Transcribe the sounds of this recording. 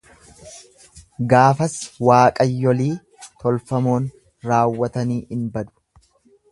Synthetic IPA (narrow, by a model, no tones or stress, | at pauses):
ɡaːfɐswaːkʼɐjːɔliː | t̪ɔlfɐmo̞ːn | ɾaːwːɐt̪ɐniːʔɪnbɐd̪ʊ̥